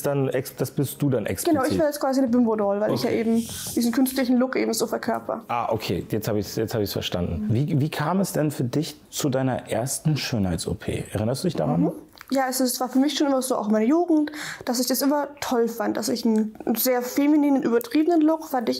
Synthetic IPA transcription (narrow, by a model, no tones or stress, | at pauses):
sd̥anɛsd̥asb̥ɪstd̥uːdanʔɛ̰ksɡ̥ənaʊɪçv̥aːɐjɛt͡stkv̥aːzinəbʏmbodɔlvaɪlɪçjaːʔeːbm̩d̥iːzn̩kʰʏnstlɪçn̩lʊkʔeːbm̩zoːfɛɐkʰœɐpʰɐ̰ʔaːʔokʰḛːjɛt͡sthaːbɪçsjɛt͡sthaːbəɪçsfɛɐʃta̰ndn̩viːviːkʰaːmɛsd̥ɛnfyːɐdɪç | t͡sudaɪnɐ̰ʔeːɐstn̩ʃøːnhaɪtso̰pʰḛːʔɛɐʁɪnɐstd̥uːdɪçd̥a̰ʁan | jaːɛsɪsv̥aːɐfyːɐmɪçʃoːnʔɪmɐzoːʔa̰ʊxmaɪnəjuːɡŋ̩td̥asɪçd̥asʔɪmɐtʰɔlfantd̥asɪçn̩zeːɐfeminiːnənʔyːbɐtʁ̥iːbənənlʊkfandɪç